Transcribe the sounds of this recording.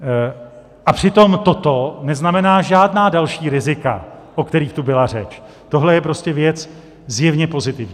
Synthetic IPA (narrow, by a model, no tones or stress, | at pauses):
ʔapr̝̥ɪt̪o̞mt̪o̞t̪o̞nɛznamɛnaːʒaːdnaːdalʃiːɾɪzɪka̰ʔokt̪ɛɾiːxt̪ubɪlar̝ɛt͡ʃ | t̪o̞ɦlɛjɛpɾo̞scɛvjɛt͡s | zjɛvɲɛpo̞zɪt̪ɪvɲiː